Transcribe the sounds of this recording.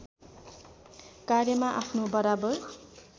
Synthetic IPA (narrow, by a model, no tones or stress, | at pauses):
karjʌmaʔapʰnobʌɾabʌr